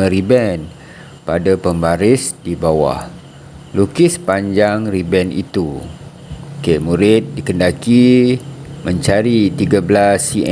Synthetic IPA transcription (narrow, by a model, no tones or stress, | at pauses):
əɾibɛn | padapəmbaɾɪsdibawa̰h | lukɪspaɲd͡ʒaŋribɛnḭt̪u | keʔmuɾɪt̪̚dikəndaki | mə̃ɲt͡ʃaɾit̪iɡablasiɛ